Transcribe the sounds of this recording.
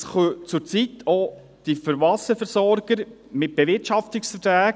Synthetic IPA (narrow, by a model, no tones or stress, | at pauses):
sχøt͡sʊɾt͡sitʰo | d̥ifəɾʋɑsəfəɾsɔɾɡ̥əɾ | mɪt̚b̥eʋɪrtʃɑftɪksfətɾæːk